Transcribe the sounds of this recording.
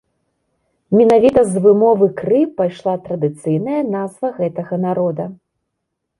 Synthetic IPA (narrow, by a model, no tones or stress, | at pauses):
mʲɛnavʲit̪ɐzvɨmɔvɨkrɨpajʂlˠat̪ɾɐd̪ɨt̪sɨjnɐjɐnazvɐɣɛt̪ɐɣɐnaɾɔd̪ɐ